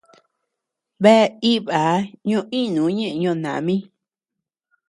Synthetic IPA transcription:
βe˦˧i˦βa˨˦ɲõ˧ʔĩ˦nũ˨˦ɲẽ˦ʔɲõ˧˨nã˨˦mĩ˦

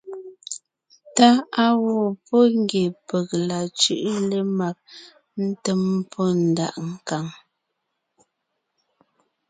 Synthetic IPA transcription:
ta˦a˦wo˦˨pɔ˦ŋ˦ɡje˨pə˨k̚la˨t͡ʃʉ˦ʔle˦ma˦˨k̚ | n̩˦tə˦m˦pʰɔ˦n̩˨da̰˨ʔŋ̩˦ka˨ŋ

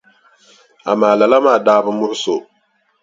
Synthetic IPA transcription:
a̰˨maː˨la˨la˦maː˦˨daː˦bɨ˦mʊ˦ʔʊ˦so˨

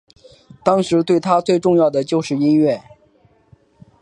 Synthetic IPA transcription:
t̪ɑ˥ŋʂɻ̩˧˥t̪we˥˩ɪt̪ʰa˥t͡swe˥˧ɪʈ͡ʂʊ˥˧ŋjɑ˥˩ʊd̪ə˩t͡ɕjo˥˧ʊʂɻ̩˥˩i˥nɥɛ˥˩

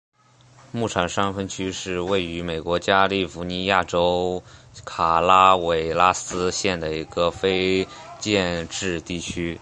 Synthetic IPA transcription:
mu˥˩ʈ͡ʂʰɑ˨˩ŋʂɑ˥ŋfə˥nt͡ɕʰy˥ʂɻ̩˥˧we˥˩ɪy˧˥me˨˩ɪkwɔ˧˥t͡ɕja˥li˥˩fu˧˥ni˧˥ja˥˩ʈ͡ʂo˥ʊ | kʰa˨˩la˥we˧˩ɪla˥sɹ̩˥ɕjɛ˥˩nd̪ə˩i˧˥ɡ̥ə˧fe˥ɪt͡ɕjɛ˥˧nʈ͡ʂɻ̩˥˧t̪i˥˩t͡ɕʰy˥

